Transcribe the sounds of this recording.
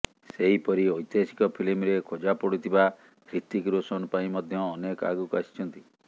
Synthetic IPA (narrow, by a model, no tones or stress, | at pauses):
seɦipɔɾiojt̪jesi̥kɔpʰilimɾekʰod͡ʒapɔɽit̪ʰiba | kʰɾit̪ikɾosɔñɔpaĩmɔd̪ʱjɔːnekɔa̰ɡukasi̥t͡ʃʰɔnt̪i